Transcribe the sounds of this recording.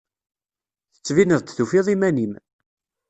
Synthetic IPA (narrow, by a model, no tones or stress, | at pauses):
θə̥t͡sːvinəðˤt̪θufiðˤimænim